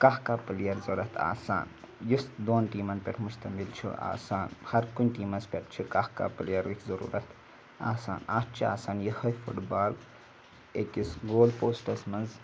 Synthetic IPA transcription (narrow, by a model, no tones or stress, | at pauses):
kaɦkaːplijɐɾzɐɾɐt̪ʰa̰ːsa̰ːn | jisd̪oːnʈiːmɐnpʲeʈʰmust̪ɐmilt͡ʃʰṵa̰ːsaːnhɐɾkunʲʈiːmɐnspʲeʈʰt͡ʃʰikahka̰ːplijɐɾikzɐɾṵːɾɐt̪ | a̰ːsa̰ːnaːtt͡ʃʰia̰ːsaːnjihɐjpʰṵʈbaːl | ekisɡoːlpoːsʈɐsmɐnz